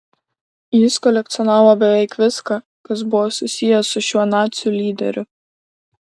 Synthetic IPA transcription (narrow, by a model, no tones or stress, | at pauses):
jɪskɔlʲɛk̚t̪sʲɔnɑːʋobʲɛʋʲɛɪkʋʲɪskɑ | kɐsbʊʋoːsʊsʲɪjɛsʊʃʲuɔnɑːt̪sʲɪjuːlʲiːd̪ʲɛ̰ɾʲʊ